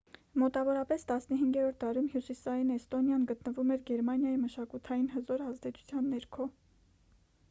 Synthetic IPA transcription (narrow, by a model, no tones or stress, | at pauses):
mɔt̪ɑvɔɾɑpɛst̪ɑsnəɦiŋɡɛɾɔɾt̪̚d̪ɑɾumɦjusisɑjinɛst̪ɔnjɑnɡət̪nəvumɛɾɡɛɾmɑnjɑjiməʃɑkut̪ʰɑjinɦəzɔɾɑzd̪ɛt͡sʰu̥t͡sʰjɑnːɛɾkʰɔ